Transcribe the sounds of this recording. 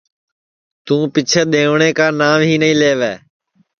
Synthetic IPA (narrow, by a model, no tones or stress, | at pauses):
t̪ũːpɪt͡ʃʰeːɗ̪ẽːʋɳeːkãːnaːʋɦiːnəĩːleːʋeː